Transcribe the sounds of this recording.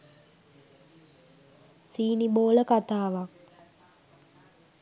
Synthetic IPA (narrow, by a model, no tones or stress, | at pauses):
siːniboːləkat̪aːʋak̚